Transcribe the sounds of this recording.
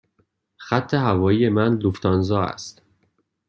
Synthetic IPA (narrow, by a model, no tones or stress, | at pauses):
xæt̪ʰːe̞ɦævɒːjije̞mænd̪oft̪ʰɒːnzɒːæ̰st̪